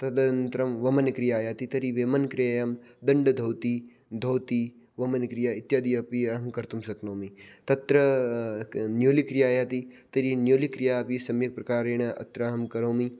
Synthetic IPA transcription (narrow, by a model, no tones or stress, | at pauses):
t̪ɐd̪ɐnt̪ɾɐmʋɐmɐnkɾijaːjaːt̪it̪ɐɾiʋeːmɐnkɾejamd̪ɐɳɖɐd̪ʱɐwt̪i | d̪ʱɐwt̪i | ʋɐmɐnkɾijaːɪt̪jaːd̪ijɐpiaɦɐmkɐɾt̪umsɐknoːmit̪ɐt̪ɾɐ | njoːlikɾijaːjaːt̪it̪ɐɾinjoːlikɾijaːpisɐmjɐk̚pɾɐkaːɾeːɳ̃ɐʔɐ̰t̪ɾaːɦɐmkɐɾoːmi